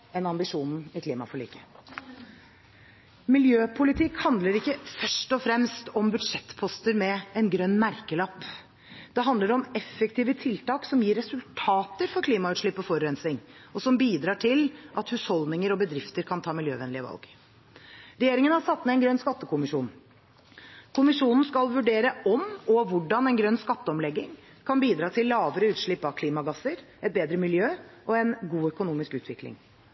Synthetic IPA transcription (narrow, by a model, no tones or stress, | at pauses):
ɛnɑmbɪʂuːn̩ɪkʰliːmɑfɔɭḭːkə̥ | mɪljøːpʰʊlɪt̪ʰɪkhɑnd̪ləɾɪkːəfœʂʈɔfɾɛmst̪ɔmbʉd̪ʂɛt̪ːpʰɔst̪əɾmɛɛnɡɾœnːmæɾkəlɑpː | d̪̥ɛɦɑnd̪ləɾɔmɛfːɛkt̪iːʋət̪ʰɪlt̪ɑːksɔmjiːɾɛsʉlt̪ʰɑːt̪əɾfɔɾkʰliːmɑʉt̪ʂɭɪpːɔfɔɾːɛnslɪŋɔsɔmbiːd̪ɾɑːʈʰɪlʔɑt̪hʉshɔlnɪŋəɾɔbəd̪ɾɪft̪əɾkʰɑnt̪ʰɑːmɪljøːʋɛnlɪəʋɑ̰lɡ | ɾɛjeːɾɪŋənhɑʂɑt̪ːmɛɛnɡɾœnskɑt̪ːəkʰʊmɪʂuːn | kʰʊmɪʂuːnən̩skɑlʋʉɖeːɾəʔɔmɔʋʊɖɑnɛnɡɾœnːskɑt̪ːəɔmlɛɡːɪŋ | kʰɑnbiːd̪ɾɑːt̪ʰɪlːɑːʋəɾəʉːt̪ʂɭɪpːɑʋkʰliːmɑɡɑsəɾ | ɛt̪̚beːd̪ɾəmɪljøːʔɔɛnɡuːœkʊnuːmɪskʉːt̪ʋɪklɪ̰ŋ